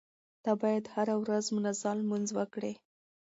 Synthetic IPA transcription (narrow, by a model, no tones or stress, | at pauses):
d̪̥ɑbɑjad̪haɾawɾazmʊnazalmunzwəkɽe